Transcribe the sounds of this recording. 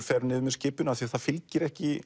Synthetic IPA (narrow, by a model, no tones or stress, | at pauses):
fɛɾnɪːðmɛðscɪːpʏnaðθiaɾθaðfɪlcɪɾɛhcɪ